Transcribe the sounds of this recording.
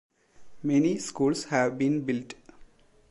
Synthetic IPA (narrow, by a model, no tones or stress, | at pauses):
mɛniskuːlshæʋbĩːnbɪlʈ